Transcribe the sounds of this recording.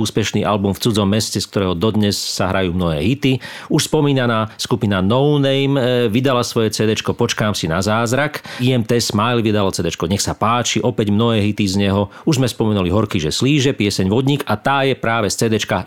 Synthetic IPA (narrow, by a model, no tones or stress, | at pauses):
uːspɛʃniːʔa̰lbumft͡sud͡zɔmːɛscɛsk̚t̪ɔɾɛːɦɔd̪ɔd̪ɲɛsːaɦɾajuːmnɔɦɛ̰ːɦit̪iuʃspɔmiːnanaːskupinanɔʊnɛjmʋid̪alasʋɔjɛt͡sɛːd̪ɛt͡ʃkɔpɔt͡ʃkaːmsina̰zaːzɾakiɛmt̪ɛsmajlʋid̪alɔt͡sɛːd̪ɛt͡ʃkɔɲɛxsapaːt͡ʃiʔɔpɛɟmnɔɦɛːɦit̪izɲɛɦɔuʒzmɛspɔmɛnuliɦɔɾkiːʒɛsliːʒɛpɪɛsɛɲʋɔd̪ɲiɡat̪aːjɛpɾaːʋɛst͡sɛːd̪ɛt͡ʃka